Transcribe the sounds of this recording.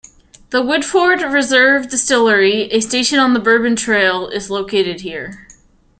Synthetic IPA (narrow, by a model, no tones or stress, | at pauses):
ðəwʊdfɔɹd̚ɹɨzɜ˞vdɨstɪlˠə˞iɨsteɪʃɨ̃nə̃nðəbɜ˞bɨ̃ntʰɹ̥eɪlˠɪzloʊkʰeɪɾɨd̚hiɹ